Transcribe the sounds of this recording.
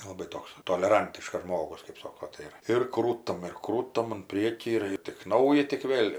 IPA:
lˠɐˈbɐɪ ˈtoːks toːlʲɛˈrɐnʲtʲɪʃkɐs ˈʒmoːɡʊs kɜp ˈsoːkoː ˈtɐɪ ɪr ɪr ˈkruːtɐm ɪr ˈkruːtɐm ʊn ˈpʲrʲiɛkʲiː ɪr ɪr tʲɪk ˈnɐʊjɛ tʲɪk ˈʋʲeːlʲ

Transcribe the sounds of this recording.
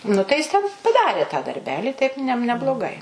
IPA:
nʊ tɐɪ ˈjɪs ˈtʲɛn pɐˈdɑːrʲeː tɑː dɐrʲˈbʲæːlʲɪ tɐɪp ˈnʲɛ nʲɛblˠoːˈɡɐɪ

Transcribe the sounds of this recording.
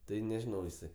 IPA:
ˈtɐɪ nʲɛˈʒʲɪnɐʊ jɪˈsɐɪ

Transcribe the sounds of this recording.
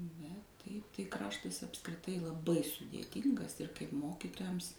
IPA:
bʲɛt ˈtɐɪp tɐɪ ˈkrɑːʃtɐs ɐpskrʲɪˈtɐɪ lˠɐˈbɐɪ sʊdʲeːˈtʲiːŋɡɐs ɪr kɐɪp ˈmoːkʲiːtoːjɛms

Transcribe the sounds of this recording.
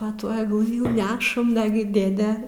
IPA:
pɐ ˈtuɔ ɐɡˈlˠɨ jɛʊ ˈnʲæːʃɐm ˈnɑːɡʲɪ ˈdʲeːdʲɛ

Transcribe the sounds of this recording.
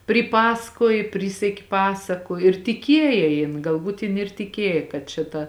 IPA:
pʲrʲɪˈpɑːsɐkuɔj ˈpʲrʲiːsʲɛkʲɪ ˈpɑːsɐkʊ ɪr tʲɪˈkʲiɛjeː jɪn ɡɐlˠˈbuːt jɪn ɪr tʲɪˈkʲiɛjeː kɐt t͡ʃʲɛ ˈtɐ

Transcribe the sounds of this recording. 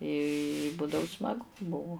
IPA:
ɪ ˈbuːdɐʋʊ smɐˈɡʊ ˈbʊʋʊ

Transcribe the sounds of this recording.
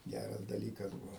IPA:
ˈɡʲærɐs dɐˈlʲiːkɐs ˈbʊʋoː

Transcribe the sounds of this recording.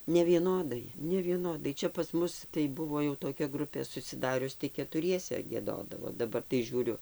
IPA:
nʲɛʋʲiɛˈnoːdɐɪ nʲɛʋʲiɛˈnoːdɐɪ ˈt͡ʃʲɛ pɐs ˈmʊs tɐɪ ˈbʊʋoː jɛʊ toːˈkʲɛ ˈɡrʊpʲeː sʊsʲɪˈdɑːrʲʊs tɐɪ kʲɛtʊˈrʲiɛsʲɛ ɡʲiɛˈdoːdɐʋoː dɐˈbɐr tɐɪ ˈʒʲuːrʲʊ

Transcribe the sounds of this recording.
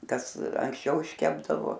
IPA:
ˈkɐs ɐŋksʲˈt͡ʃʲɛʊ ɪʃʲˈkʲæːbdɐʋoː

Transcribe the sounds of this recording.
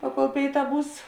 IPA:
ˈpɑːˌkoːlˠ ˈpʲeːɪˌtɑː ˈbuːs

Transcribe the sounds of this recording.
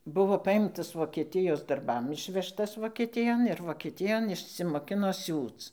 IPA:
ˈbʊʋoː ˈpɑːjɪmtɐs ʋoːkʲɛˈtʲɪjoːs dɐrˈbɐm ˈɪʃʲʋʲɛʃtɐs ʋoːkʲɛˈtʲɪjoːn ɪr ʋoːkʲɛˈtʲɪjoːn ɪʃʲsʲɪmoːˈkʲɪnoː ˈsʲuːt͡s

